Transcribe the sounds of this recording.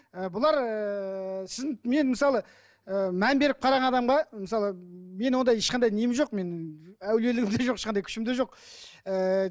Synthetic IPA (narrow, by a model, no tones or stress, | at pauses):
əbʊlˠɑɾəsɪzɪme̞nmɪsɑlˠə | əmænbe̞ɾɪp̚qʰɑɾɑʁɑnɑd̪ɑmʁɑmɪsɑlˠəme̞nwo̞nd̪ɑjeʃqɑnd̪ɑjnejɪmʒo̞qme̞næwle̞lɪɡʲɪmd̪eʒoqɪ̥ʃqɑnd̪ɑjkʰʏ̥ʃɪmd̪eʒo̞q̚ | ə